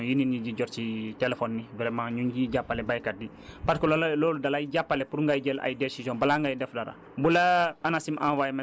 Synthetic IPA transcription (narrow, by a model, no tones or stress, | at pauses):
jininid͡ʒiɟɔɾt͡ʃitelefɔnːivɾɛmãɲuɲd͡ʒiɟapːalɛbajkadi | patkəlɔlaloːludalajiɟapːalɛpuɾŋɡajɟɛla̰jdesizɔ̃balaŋɡajidɛfdaɾa̰ | bulaanasimʔã̰wajm